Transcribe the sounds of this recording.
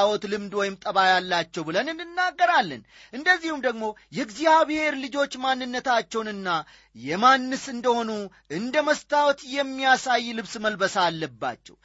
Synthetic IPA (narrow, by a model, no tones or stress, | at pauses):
awɔt̪lɨmd̪wɔjɪmt̪ʼəβajalːat͡ʃːɛwbɨlənɨnːɨnːaɡːəɾalːə̰n | ʔɨnd̪əzːihumd̪əɡmo̞jɛɡzihaβhe̞ɾlɨd͡ʒo̞t͡ʃːmanːɨnːət̪ʰat͡ʃːɛwnɨnːa | jɛmanːɨsɨnd̪əho̞nu | ʔɨnd̪əməst̪ʰawɔt̪jɛmːijasajːlɨβsməlbəsalːəbːa̰t͡ʃːɛ̰w